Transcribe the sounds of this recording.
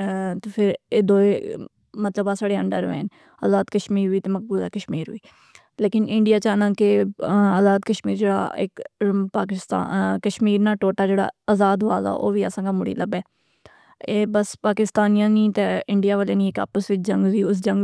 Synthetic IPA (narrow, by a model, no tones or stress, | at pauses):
t̪epʰɪɾeːd̪oːe | mət̪ləbaːsaːɽeːə̰ɳɖəɾʋḛːn | ə̰ːzaːd̪kəʃmiːɾʋiːt̪eːmək̚buːla̰ːkəʃmiːɾɦʊiː | leːkɪnɪ̃ɳɖɪjaːt͡ʃaːnãːkɪəːzaːd̪kəʃmiːɾd͡ʒeːɽa̰ːɪ̰kpaːkɪst̪a̰kəʃmiːɾnaːʈoːʈaːd͡ʒeːɽa̰ːəzaːd̪ɦʊaːza̰ːʔo̰ːʋiːsãːɡaːmʊɽḭːləbɛː | eːbəspaːkɪst̪aːnijãːnĩːt̪eːɪɳɖijaːʋəːleːnĩːɪka̰ːpəsʋɪt͡ʃd͡ʒə̃ŋɡʋiːʊsd͡ʒə̃ŋɡ